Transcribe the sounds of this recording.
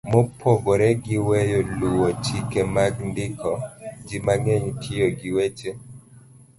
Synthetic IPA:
mopʰɔɡɔɾɛɡɪwɛjoluwot͡ʃikemaɡndɪkʰɔd͡ʒimaŋeɲtʰɪjoɡɪwet͡ʃe

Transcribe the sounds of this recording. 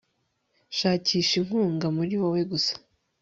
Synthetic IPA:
ʃaːciːʃiŋ̥huːŋɡamuɾiwowe̞ɡusḁ

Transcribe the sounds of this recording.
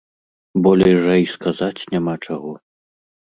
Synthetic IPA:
bɔlʲɛjʐɐjskazat͡sʲnʲamat͡ʂaɣɔ

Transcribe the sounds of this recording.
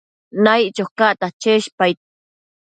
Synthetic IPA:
najt͡ʃoχkaʔt̪at͡ʃeʃpajt̪̚

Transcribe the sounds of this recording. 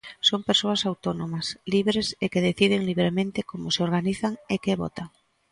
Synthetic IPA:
sompeɾsoasawt̪onõmasliβɾesekeðeθið̞eŋliβɾemẽnt̪ekomoseoɾɣ̞aniθaŋekeβo̰t̪aŋ

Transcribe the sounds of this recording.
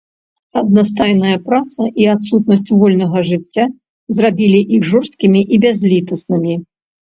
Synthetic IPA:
ɐd̪̚nast̪ajnɐjɐpɾat̪sɐʔiat̪sut̪̚nɐsʲt͡sʲvɔlʲnɐɣɐʐɨt͡sʲːa | zrabʲilʲiʔixʐɔrst̪̚kʲimʲiʔibʲazʲlʲit̪ɐsnɨmʲi

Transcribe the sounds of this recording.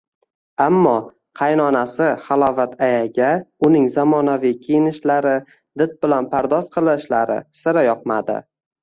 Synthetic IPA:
amːɒ | qʰɑjnɒnasɪχɑlˠɒvat̪ʰajaɡʲaʊnɪŋzamɒnavijkʲʰejɪnɪʃlaɾɪ | d̪ɪt̪̚bɪlanpʰaɾd̪ɒsqʰɨlˠɪʃlaɾɪ̰sɪɾajɒq̚mad̪ɪ̰

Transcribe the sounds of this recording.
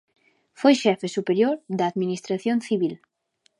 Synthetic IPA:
fojʃɛfesupeɾjoɾðaːðminist̪ɾaθjonθiβil

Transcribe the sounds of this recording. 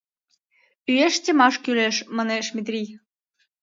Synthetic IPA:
yeʃt̪ʲemɑʃkyleʃmɑneʃmʲit̪rʲij

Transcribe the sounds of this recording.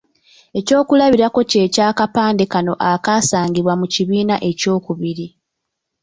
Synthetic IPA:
e̞co̞ːkulaβiɾako̞ce̞ːcaːkapaːnde̞kano̞ʔakasaːŋɡiβwamuciβiːnaʔe̞co̞ːkuβiɾi

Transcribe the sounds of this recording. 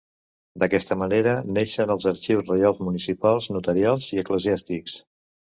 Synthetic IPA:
d̪əkɛst̪əməneɾəneʃənəlˠzəɾt͡ʃiwzrəjalˠzmunisipalˠznut̪əɾialˠziəkləziast̪iks

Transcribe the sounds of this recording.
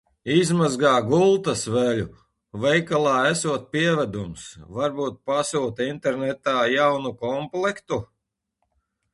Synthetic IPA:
izmazɡaːɡulˠt̪asvɛlʲu | vɛjkalˠɑːæsuɔt̪̚piɛvæd̪umsvaɾbuːt̪̚pasuːt̪int̪ɛɾnɛt̪aːjawnukɔmplˠɛkt̪u

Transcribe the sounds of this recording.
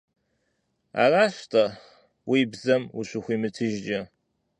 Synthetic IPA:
a̰ːraːɕtʰʼɐ | wibzɐmuɕʷʊxʷiːmɨtʰɨʒd͡ʒɐ

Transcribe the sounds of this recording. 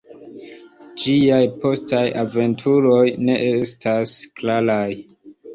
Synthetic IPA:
d͡ʒiajpo̞stajave̞ntʰuɾo̞jne̞ʔestʰasklalaj

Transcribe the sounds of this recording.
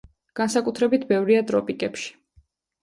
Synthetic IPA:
ɡ̥ansakʼut̪ʰɾɛbit̪ʰbɛvɾiat̪ʼɾɔpʼikʼɛpʃi̥

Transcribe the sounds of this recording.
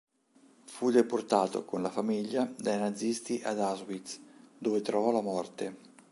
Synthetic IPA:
fud̪eport̪aːt̪o̰konlafamiʎːad̪ajnad̪zːist̪iʔad̪azwit̪sd̪oːvet̪ɾɔvɔlamɔrt̪e

